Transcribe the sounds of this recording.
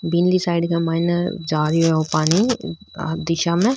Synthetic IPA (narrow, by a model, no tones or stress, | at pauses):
binlisaːɪɖkamaːɪnəd͡ʒaːɾiɦɛopaːni | d̪ɪʃamẽ